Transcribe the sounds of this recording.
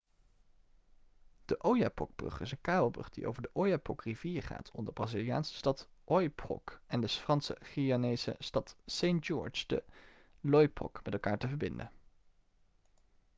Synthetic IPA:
d̥əʔowjapɔ̰ɡ̚b̥rɵ̰χɪsənkaːbəlˠbrɵ̰χd̥iʔo̰wvəɹdəʔowjapɔkriviːɹχa̰ːtʰɔndəbraːzilija̰ːnsə̥stɑtɔjpɔ̰kɛndəfrɑnsə̰χianejzə̰stɑtsejndd͡ʒɔ̰ɹt͡ʃdə̰lɔjpɔ̰kmɛtɛlˠkaːɹtəvəɹbɪndə̰

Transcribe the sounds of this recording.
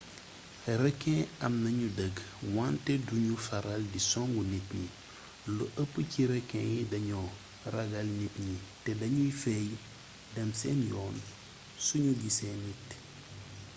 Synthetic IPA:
ɾɛkːɛ̃ɐmnɐɲudəɡwantɛduɲufɐɾaldisɔŋɡunitɲi | luʔəpːəciɾɛkːɛ̃jidɐɲɔ | rɐɡɐlnitɲitɛdɐɲujifɛj | dɛmsɛnjɔːn | suɲuɡisɛnːit

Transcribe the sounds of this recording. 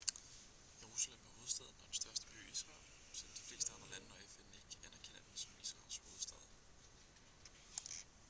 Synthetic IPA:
jeʁusælemæɐho̝ːð̞̩ˠsd̥ɛð̞̰ˠn̩ɒ̽d̥nsd̥ɶɐsd̥əb̥ʰø̰ːisʁɑ̰̈ːl | sɒd̥i̥fle̝̰ːsd̥əɑ̈nd̥ʁɐlænəɒ̽efene̝ɡ̥kʰæʔæn̰æɐkʰen̰æd̥̩sɒ̽misʁɑ̰̈ːlsho̝ːð̞̩ˠsd̥ɛð̞̰ˠ

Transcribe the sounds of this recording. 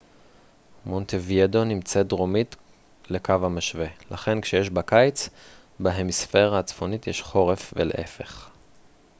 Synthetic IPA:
mo̞nt̪evjedo̞nimt͡setdʁo̞mit | le̞kavhamaʃve̞laχe̞nkʃejeʃbakajt͡s | baɦe̞misfe̞ʁaːt͡sfo̞nitjeʃχo̞ʁe̞fvḛleʔefe̞χ

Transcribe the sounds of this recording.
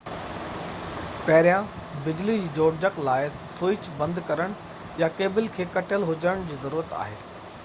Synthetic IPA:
pɐɦɪɾijãbɪd͡ʑlid͡ʑoːɽd͡ʑəklaːɪ | sʊɪt͡ɕbɐ̃nd̪kɐɾəɽ̃ | jakeːbɪlkʰeːkɐʈʰəlɦʊd͡ʑəəɽ̃d͡ʑiːzɐɾuːɾət̪a̰ːɦḛː

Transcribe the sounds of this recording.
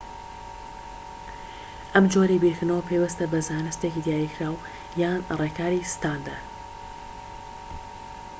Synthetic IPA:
ʔɐmd͡ʒoɾibiɾkʰɨnawpʰejwəst̪ɐbɐzaːjnɨst̪ekid̪jaːjikʰɾaːw | jaːnrekʰaːɾist̪aːnd̪ə

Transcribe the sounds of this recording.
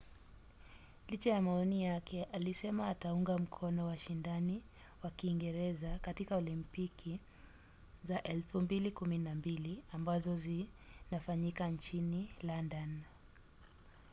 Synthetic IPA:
lit͡ʃajamaɔnijakʰɛʔalisɛmaːtauŋɡam̩kʰɔnɔwaʃindani | wakiːŋɡɛɾɛzakatikaɔlimpikʰi | zaʔɛlfumbilikuminambiliambazɔzinafaɲikant͡ʃinilandan

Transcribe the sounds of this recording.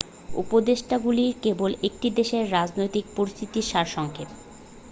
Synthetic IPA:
ṵpod̪eʃʈaɡuliɾkebolek̚ʈid̪eʃeɾːad͡ʑnojt̪ik̚poɾist̪ʰit̪iʃaɾʃɔŋkʰet̪

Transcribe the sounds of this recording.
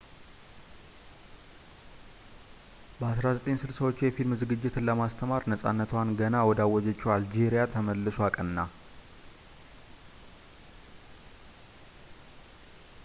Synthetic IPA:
bəasɾazət̪ʼensɨlsəwo̞t͡ʃːjɛfilmɨzɨɡɨd͡ʒːɪt̪ʰɨnləmast̪ʰəmaɾnəsʼa̰nːət̪ʰwanɡənawɔd̪awːɔd͡ʒɛt͡ʃːɛwald͡ʒeɾijat̪ʰəməlːɨswakʼənːa

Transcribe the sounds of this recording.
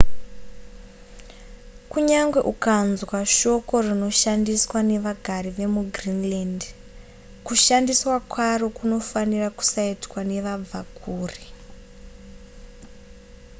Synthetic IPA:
kuɲaŋɡwe̞ʔukanzwaʃo̞ko̞rino̞ʃandiswane̞ʋaɡʱaɾiʋe̞muɡrinland | kuʃandiswakwaro̞kuno̞faniraku̥saitwane̞ʋab͡vakʰuːri

